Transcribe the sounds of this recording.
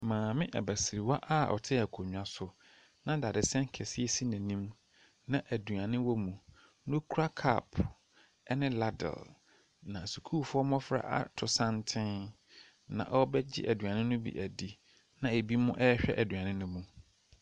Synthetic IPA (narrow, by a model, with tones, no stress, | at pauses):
mãː˨mɪ̃˦ʔɛ̰˨bæ˨sɪ˨ɾi˨wa˦ʔa˦ɔ̰˨tʰɪ˦æ˨kʰo˨ɲ̃ᶣ˨a˨sʊ˨ | nã˦da˨dɪ˨sɛ̃˦ŋ˦kʰɛ˨sɪ˦e˦si˦næ̃˨nĩ˦m | nã˨ʔæ˨du˨a˨nɪ̃˦wɔ˦mũ˨ | nʊ̃˦kʰu˦ɾa˦kʰa̰˦˨p | ɛ˦nɪ̃˦la˦dɛ̰˨l | nã˨su˨kʰu˦fʊ˦ɔ˦mɔ̃˦fɾa̰˦ʔa̰˦˨tʰʊ˨sã˦ntʰɪ̃˦n | nã̰˨ʔɔ˦bɛ˦d͡ʑɪ̰˦ʔæ˨dɥã˨nɪ̃˦nʊ̃˦bḭ˨ʔæ˨di˨ | nã˨e˨bi˦mʊ̃˦ʔɛ˦ɕᶣɛ˦ʔæ˨dɥã˨nɪ̃˦nʊ̃˦mũ˨